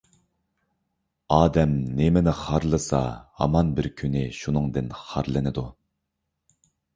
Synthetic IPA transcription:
ɑːd̪ɛmnemɪnɪχɑɾlˠɨsɑ̰hɑ̰mɑnbɪɾkʲʰynɪʃunɨŋd̪ɪnχɑɾlˠɨnɨd̪u

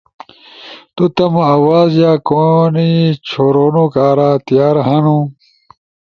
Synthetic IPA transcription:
t̪ut̪ɐmɐɐwaːzjaːkonit͡ɕʰoɾoːnukaːɾaːt̪ijaːɾɦɐnu

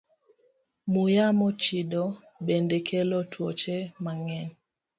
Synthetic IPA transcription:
mujamɔt͡ʃidɔ | bendekʰɛlɔtʰwɔt͡ʃɛmaŋɛn

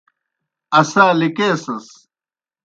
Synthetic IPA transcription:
ɐsaːlikeːsɐs

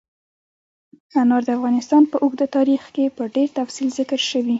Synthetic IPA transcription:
anɑɾd̪əafɣɑnɪst̪ɑnpəʔʊɡd̪ət̪ɑɾixkepəɖeɾt̪afsilzɪkəɾʃəwi

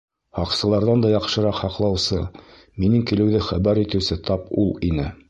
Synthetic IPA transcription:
hɑqsɤ̆lˠɑɾðɑnd̪ɑjɑqʃɤ̆ɾɑqhɑqlˠɑwsɤ | minɘŋkilɘ̆wðɘχæbæɾit̪ɘ̆wsɘt̪ɑpṵlˠinɘ

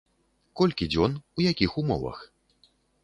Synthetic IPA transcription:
kɔlʲkʲid͡zʲɔnujakʲixumɔ̰vɐ̰x

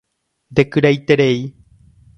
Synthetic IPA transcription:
nd̪ekɨɾajt̪eɾe̞i

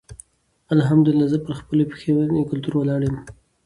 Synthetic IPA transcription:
alɦamd̪ʊɪlːazəpəɾxpəlope̥xewanekʊlt̪uɾwalɑɽem

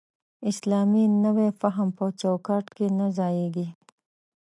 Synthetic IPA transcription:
ɪslɑːminəwefaɦəmpət͡ʃawkɑːʈkenazaːjeɡi

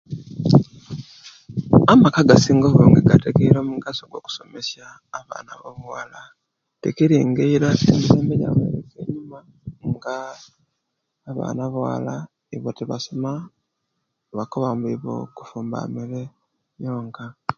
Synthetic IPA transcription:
amakaɡasiːŋɡoβoːŋɡeɡatekeiɾo̞ːmuɡaso̞ɡwo̞ku̥so̞me̞sjaː | βa̰ːnaβo̞muwala | tekiɾiːŋɡeiɾaseːmbiseːmbeja̰βwḛɾeke̞ɲima | ŋɡa | βa̰ːnaβawa̰la | eβoteβasoma | βakoβambiβo̞̰ku̥fuːmba̰miɾe | jo̞ːŋka

